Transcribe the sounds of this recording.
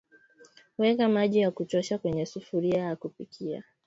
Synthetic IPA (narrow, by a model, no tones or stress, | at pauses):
wɛkamaʄijakutɔʃakwɛɲɛsufuɾiajakupikʰia̰